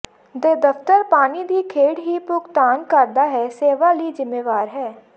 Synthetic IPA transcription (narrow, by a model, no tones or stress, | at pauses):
d̪eːd̪əft̪əɾpaːnid̪iːkʰeːɽɦipʊkt̪aːnkəɾd̪aɦɛseːʋalizɪmːeːʋaːɾɦɛː